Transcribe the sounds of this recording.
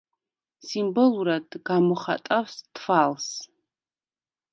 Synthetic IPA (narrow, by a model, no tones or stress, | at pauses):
simboluɾadɡamuχa̰tʼawsdʰfals